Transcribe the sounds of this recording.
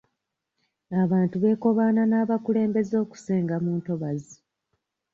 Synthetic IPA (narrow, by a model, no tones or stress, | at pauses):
aβaːntuβe̞ːko̞βaːnanaːβakule̞ːmbe̞zo̞ːku̥se̞ːŋɡamuːnto̞βazi